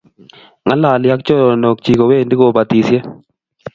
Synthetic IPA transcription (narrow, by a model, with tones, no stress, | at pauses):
ŋa˦la˨lja˦kt͡ʃo˦ɾno˨k̚t͡ʃi˨ko˨we˦˨ndi˦ko˨ba˨t̪i˨sje˦